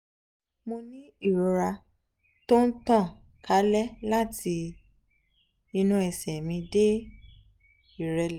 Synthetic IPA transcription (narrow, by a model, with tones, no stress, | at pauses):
mõ˧nĩ˦i˦˨ɾɔ˧ɾa˧ | to˦n̩˦tã˦˨ | kʰa˨˦lɛ˦la˦tʰi˧ | i˧nũ˦ɛ˧˨sɛ˨mĩ˧˦de˦ | i˦˨ɾɛ˧l